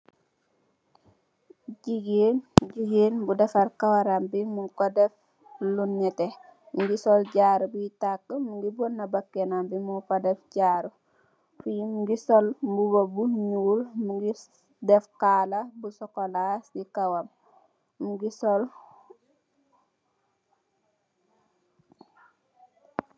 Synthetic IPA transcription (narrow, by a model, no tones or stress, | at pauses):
ɟiɡenɟiɡeːnbudɛfaɾkawaɾambimukodɛf | lunːɛtɛ | muɡisɔlɟaːɾubujitakːəmuɡibɔnːɐbakːenambimukɔdɛfɟaːɾu | fujimuɡisɔlmbubobuɲuːlmuɡi | dɛfkaːlɐbusɔkɔlasikawam | muɡisɔl